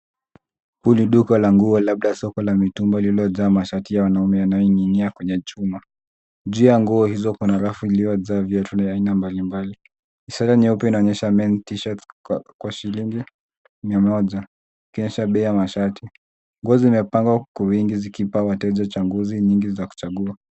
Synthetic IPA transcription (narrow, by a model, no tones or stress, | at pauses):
huliɗukɔlaŋɡuɔlaɓ̚ɗasɔkɔlamitumbalilɔzaːmaʃatijawanaumɛjanajɔiŋiniakwɛɲɛt͡ʃuma | ʄuːjaŋɡuɔhizɔkunaɾafuiliɔzaːvjatʰunaainambalimbali | isaɾaniupɛinaɔɲɛʃamɛntiʃatkwaʃiliŋɡi | miamɔʄa | ikiɔɲɛʃaɓɛijamaʃati | ŋɡuɔziːmɛpaŋɡwakɔwiŋɡizikipawatɛʄat͡ʃaŋɡuziɲiŋɡizaku̥t͡ʃaɠua